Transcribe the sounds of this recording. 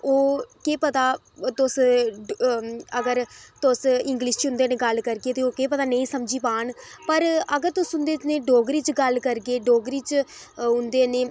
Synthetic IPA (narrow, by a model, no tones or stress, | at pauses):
oːkeːpət̪aː | t̪ʊs | əɡəɾt̪ʊsɪŋɡliːʃt͡ʃɦʊ̃nd̪eːneːɡəlkəɾɡeːt̪eːoːkeːpət̪aːnəĩːsəmd͡ʒiːpaːɳpəɾəɡəɾt̪ʊsɦʊnd̪eːneːɖoːɡɾiːt͡ʃɡəlkəɾɡeːɖoːɡɾiːt͡ʃ | ɦʊnd̪eːneː